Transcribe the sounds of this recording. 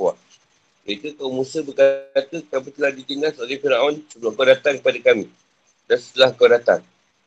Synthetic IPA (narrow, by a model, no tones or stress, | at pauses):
waʔ | jait̪ukaunmũsəbərkat̪əkamit̪əlahdit̪əŋasolɛhfinaʔɔnsəbuakəadat̪ankəpadakamĩ | dansə̥t̪əlahkəadat̪a̰n